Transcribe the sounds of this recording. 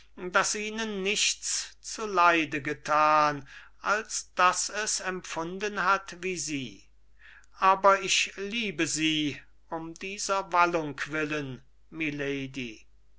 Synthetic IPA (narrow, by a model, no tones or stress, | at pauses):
dasʔiːnənːɪʃt͡st͡sulaɪdəɡətʰaːn | ʔalsd̥asɛsɛmfʊndənhatviːziː | ʔaːbɐɪʃliːbəziː | ʊmdiːzɐvalʊŋkʰv̥ɪlən | mileɪdi